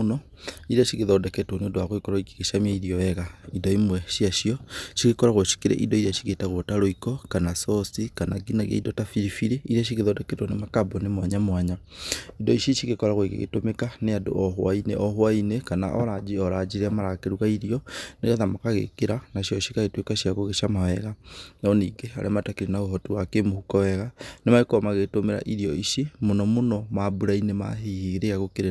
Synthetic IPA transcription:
onɔ | iɾiaʃiɣeðɔdɛkɛtwɔneodowaɣwekɔɾɔike̥ɣeʃamiaiɾiɔɛɣaidɔimwɛʃiaʃiɔʃiɣekɔɾaɣoʃi̥keɾɛ̰ʔḭdɔiɾiaʃi̥ɣetaɣotaɾoikɔkanasɔsikanaɡinaɣja̰idɔtafiɾifiɾiiɾaʃ̬iɣeðɔdɛkɛtwɔnemakabɔnemwaɲamwaɲa | idɔiʃeʃiɣekɔɾaɣoiɣḛɣḛtomekaneado̰ʔɔɦwainḛʔɔɦwainekana̰ʔɔɾaiɔɾad͡ʒiɾamaɾakeɾuɣaiɾiɔneɣaðamakaɣḛkeɾanaɕjɔʃikaɣetwekaʃiaɣoɣeʃamawɛɣanɔniɡea̰ɾʔɛ̰matakeɾinaoɦɔtuwakemohukɔwɛɣanemaɣekɔmaɣeɣtomeɾa̰ʔiɾiɔiʃemonɔmonɔmabuɾainema̰ɦehiɣɾeaɣokeɾe

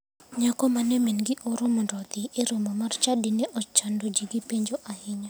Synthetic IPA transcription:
ɲakɔmanɛmenɡɪʔoɾomɔndɔt̪ɪeɾomɔmart͡ʃadɪnɛʔɔt͡ʃandod͡ʒiɡipeɲd͡ʒoʔahɪɲa

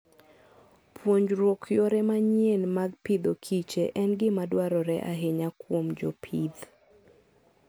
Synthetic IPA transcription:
pʰwoɲd͡ʒɾwokʰjɔɾɛmaɲjenmaɡpɪd̪okʰit͡ʃeʔɛnɡɪmadwaɾɔɾɛʔaɦeɲakwomd͡ʒopʰid̪

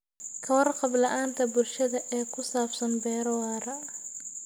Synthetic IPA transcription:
kʰɐwɐrqɑblɐʔaːnt̪ʰɐbʊlʃɐðɐʔɛːkʰʊsaːbsɐnbɛːɾɐwaːɾɐ

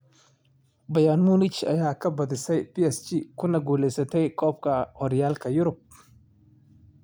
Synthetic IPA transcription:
bɐjanmunɪt͡ʃɐ̰jaːkʰɐbɐðɪsɛjpiɛst͡ʃikʰʊnɐɡuːlɛjsɐt̪ʰɛjkʰɔːb̚kʰɐhɔɾjaːlkʰɐjʊɾʊb̚

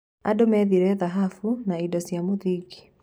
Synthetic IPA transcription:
a̰domɛðiɾɛðaɦafunaidɔsjamoðiɡi̥

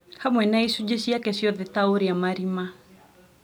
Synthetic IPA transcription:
hamwɛnaisud͡ʒeʃiakɛsjɔðɪt̪aoɾiamaɾima

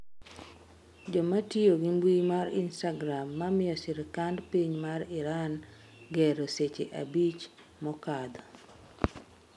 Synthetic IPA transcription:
d͡ʒɔmatioɡimbwimaɾinstaɡɾamːamɪjɔsɪɾkandpiɲmaɾɪɾan | ɡɛɾoset͡ʃḛʔa̰bit͡ʃ | mɔkad̪ɔ

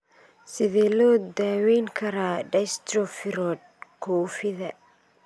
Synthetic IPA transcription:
sɪðɛːlɔːd̪aːwɛjŋkʰɐɾaːɖɐjst̪rɔfɪɾɔd̪̚kʰɔːfɪðɐ

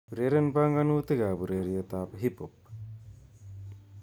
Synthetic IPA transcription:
uɾeɾenbaŋɡanuːt̪eɡaːbuɾeɾijət̪aːpəɦipop̚

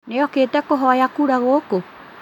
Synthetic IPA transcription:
neɔkeːtɛkoɦɔajakuɾaɣoko

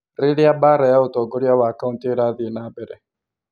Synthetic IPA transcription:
ɾɪɺjabaɾajaotɔɡoɾjawaːkauntiɾaðinabɛɾɛ

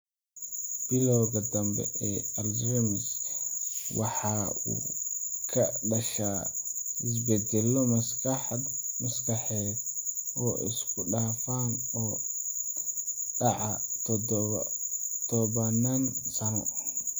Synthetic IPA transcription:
b̥ɪlɔwɣɐd̪ɐmbɛ̰ʔɛːɐld͡ʒɛmɪs | wɑħɑːṵːkʰɐɖɐʃaːɪs̬bɛd̪ɛlɔmɐskɐħɑd̪mʊskɐħɛːbɔːʔɪ̰skʰʊɖaːfaːnɔː | ɖɑʕɑ | t̪ʰɔβɐnansɐnɔ

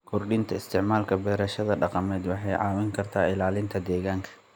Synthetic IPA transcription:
kʰʊrɖɪnt̪ʰɐɪst̪ʰɪʕmaːlkʰɐbɛːɾɐʃɐðɐɖɑqɑmɛːd̪wɑħɑjʕɑːwɪŋkʰɐrt̪ʰaːɪlaːlɪnt̪ʰɐd̪ɛːɣaːŋkʰɐ̥

